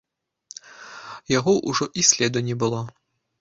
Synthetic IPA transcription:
jaɣɔʔuʐɔʔisʲlʲɛd̪ɔnʲɛbɨlˠɔ

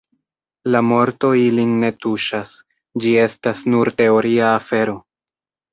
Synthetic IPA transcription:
lamo̞ɾto̞ilinːe̞tuʃas | d͡ʒie̞stasnuɾte̞o̞ɾiaːfe̞ɾo̞

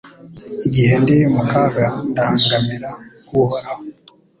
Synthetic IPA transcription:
iɟihendiumukaɡandaŋɡamiɾakuhoɾaho

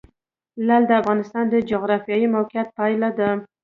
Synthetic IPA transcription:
lald̪əafɣɑnɪst̪ɑnd̪əd͡ʒʊɣɾɑfjɑjimawqɪjat̪̚pɑjlad̪a

